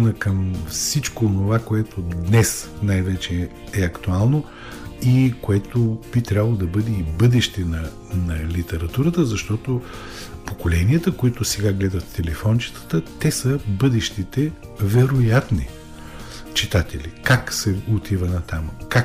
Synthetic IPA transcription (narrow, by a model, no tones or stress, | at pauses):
nəkəmfsit͡ʃkoːnovakoɛt̪od̪nɛsnajvɛt͡ʃɛ | ɛɐkt̪ualˠno | ikoɛt̪ob̥it̪ɾʲjabəlˠod̪ɐbɤd̪ɛibɤd̪ɛʃt̪ɛnɐ | nɐlit̪ɛɾɐt̪uɾət̪əzɐʃt̪ɔt̪o | pokolɛniət̪əkoit̪ʊsɛɡaɡlɛd̪ɐt̪ːɛlɛfɔnt͡ʃɛ̥t̪ə̥t̪ət̪ɛsəbɤd̪ɛʃt̪it̪ɛ | vɛɾojat̪ni | t͡ʃit̪at̪ɛlikaksɛot̪ʰivənɐt̪amka